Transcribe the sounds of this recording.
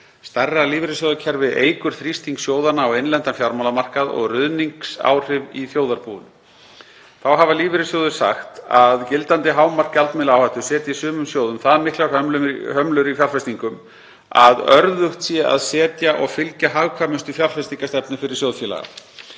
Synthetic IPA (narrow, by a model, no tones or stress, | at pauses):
st̪arːaliːvɾɪsjowðʏcʰɛɾvɪðeːjkʏɾ̥θɾist̪iŋksjoːwðanaɔwejnlɛnt̪anfjaɾmawlamar̥kaðɔ̰ɣrʏðniŋksa̰ːwr̥ɪviθjoːwðaɾpuːðʏ̰n | θawɦavaliːvɪɾɪsjowðʏ̥sa̰xt̪aðcɪlt̪ant̪ɪɦaːwmar̥kalt̪mɪlawhajht̪ʏ̥sɛːt̪jisʏːmʏmsjoːwðʏmθaðmɪhklḁhœmlʏɦœmlʏɾifjalfɛst̪iŋkʏm | aðœɾðʏxt̪sjɛʔa̰ðsɛːt̪jaʔɔɣfɪlcaɦaːvkʰaːmʏst̪ʏfjalfɛst̪iŋkast̪ɛpnʏfɪɾɪ̥ɾsjoːwðfjɛːla̰ɣa̰